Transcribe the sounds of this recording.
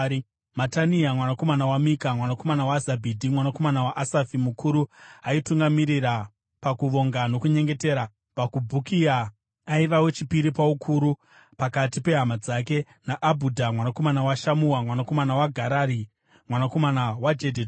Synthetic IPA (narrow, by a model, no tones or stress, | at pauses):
mataniamwanako̞manawamikamwanako̞manawazabʱidʱimwanako̞manawaʔasafimukʰuɾuaituŋɡamiɾiɾa | pakuʋo̞ŋɡano̞kuɲe̞ŋɡe̞te̞ːɾa | pakubʱukia | aiʋawe̞t͡ʃipiɾipaukʰuɾu | pakatipe̞ɦamad͡zake̞ | naʔabʱudʱamwanako̞manawaʃamuwamwanako̞manawaɡʱaɾaɾi | mwanako̞manawad͡ʒedʱed